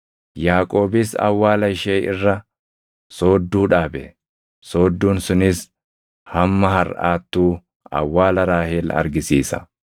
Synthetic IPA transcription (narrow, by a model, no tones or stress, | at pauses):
jaːkʼo̞ːbɪsɐ̰wːaːlɐɪʃeːɪ̰rːɐ | so̞ːd̪ːuːᶑaːbɛ̰ | so̞ːd̪ːuːnsʊnɪs | hɐmːɐhɐɾʔa̰ːt̪ːuː | ɐ̰wːaːlɐɾaːheːlɐ̰ɾɡɪsiːsɐ̰